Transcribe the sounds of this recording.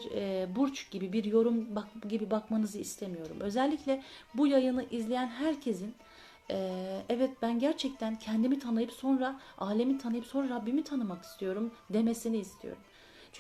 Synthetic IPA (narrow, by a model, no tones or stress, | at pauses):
ɾɛbuɾt͡ʃɟibibiɾjo̞ɾumbakɟibibakmanɯzɯist̪ʰe̞mijo̞ɾṵmʔø̞zɛlʲːicʲlʲɛbujajɯnɯʔizlʲejænɦæɾcʰe̞zin | ɛɛvɛt̪̚bænɟæɾt͡ʃʰɛc̚t̪ʰæncʰɛnd̪imit̪ʰanɯjɯpso̞nɾaʔaːlʲemit̪ʰanɯjɯpso̞nɾaɾabːimit̪ʰanɯmaki̥st̪ʰijo̞ɾumd̪e̞me̞siniːst̪ʰijo̞̰ɾum | t͡ʃʰ